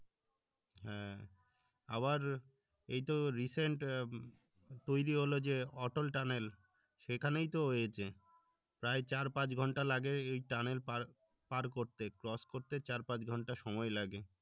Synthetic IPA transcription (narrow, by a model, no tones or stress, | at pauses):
ɦɛ̃ | a̰βaɾ | ejt̪oɾiseɳʈ | t̪ojɾiɦolod͡ʑeɔʈolʈanel | ʃekʰanejt̪oɦoet͡ɕʰe | pɾaet͡ɕaɾpãt͡ɕɡʱɔɳʈalaɡeejʈanelpaɾ | paɾkoɾt̪ekɾɔskoɾt̪et͡ɕaɾpãd͡ʑɡʱɔɳʈaʃɔmɔelaɡe